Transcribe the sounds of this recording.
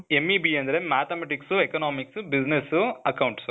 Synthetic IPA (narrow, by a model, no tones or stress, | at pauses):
emːibiɐnd̪ɐɾe̞maːt̪ɐmeʈiksuekɐnaːmiksubid͡ʒnesuɐkɐwɳʈsu